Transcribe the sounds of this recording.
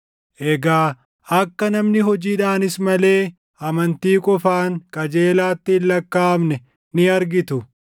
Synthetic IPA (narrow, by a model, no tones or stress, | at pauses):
ʔɛɡaː | ɐkːɐnɐmnɪɦɔd͡ʒiːᶑaːnɪsmɐle̞ː | ʔɐmɐnt̪iːkʼɔfaːŋkʼɐd͡ʒe̞ːlaːt̪ːɪːlːɐkːaːmnɛ | nɪɐɾɡɪt̪ʊ